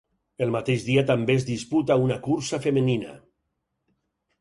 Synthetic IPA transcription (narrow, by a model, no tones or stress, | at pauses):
əlˠmat̪eʒðiat̪ambezðisput̪aunakuɾsafemənina̰